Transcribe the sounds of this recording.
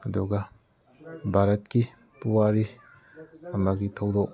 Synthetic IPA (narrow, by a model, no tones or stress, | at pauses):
ɐduɡɐ | bʱaɾɐt̚ki | puwaɾi | ɐmɐɡitʰɐwdok̚